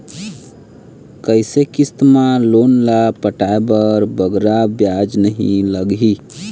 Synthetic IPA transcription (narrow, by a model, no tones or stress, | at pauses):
kəɪsekist̪malonlapəʈaebəɾbəɡɾabjad͡ʒnəɦĩləɡɦi